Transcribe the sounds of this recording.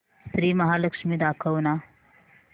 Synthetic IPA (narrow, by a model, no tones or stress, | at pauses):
st̪ɾiːmɐɦaːlɐkʂmid̪akʰɐwna